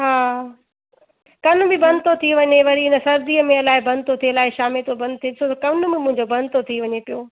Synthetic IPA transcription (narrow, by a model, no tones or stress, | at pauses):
ɦaː | kɐnʊ̆bɪbɐ̃nt̪ot̪ʰiʋɐɲeʋɐɾiɪnəsɐɾd̪iːəmẽɐlaːɦɪbɐ̃nt̪ot̪ʰielaːɪʃaːmɪlt̪ʰobɐ̃nd̪t̪ʰieɪsʰot̪ɐkɐʋnʊ̆bɪmʊ̃ɦɪ̃ɲd͡ʑobɐ̃nt̪ot̪ʰiʋɐɲepijoː